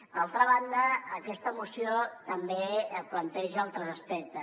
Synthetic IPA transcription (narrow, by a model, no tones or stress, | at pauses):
d̪alˠt̪ɾəβ̞and̪əːkɛst̪əmusiot̪əmbeəplənt̪ɛʒəalˠt̪ɾəzəspɛk̚t̪ə